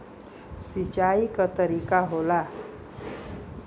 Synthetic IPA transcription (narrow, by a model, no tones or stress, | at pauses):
sit͡ʃaikat̪əɾikaɦola